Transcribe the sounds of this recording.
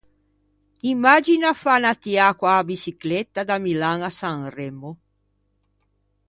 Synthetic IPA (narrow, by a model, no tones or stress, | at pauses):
imːad͡ʒinafanat̪iakwaːbisiklɛt̪ːad̪amilaŋasaŋrɛmːo